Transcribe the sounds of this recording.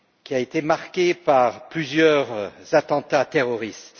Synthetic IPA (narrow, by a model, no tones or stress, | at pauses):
kʲiaet̪emaʁkʲepaʁplyzjœʁz̥at̪ɑ̃t̪at̪eʁɔʁist̪